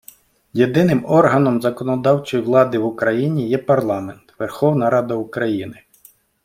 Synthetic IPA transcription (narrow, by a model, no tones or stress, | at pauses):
jed̪ɪnɪmɔrɦɐnɔmzɐkɔnɔd̪ɑwt͡ʃɔjiʋlˠɑd̪ɪwʊkɾɐjinʲijɛpɐrlˠɑment̪ʋerxɔwnɐɾɑd̪ɐukɾɐjinɪ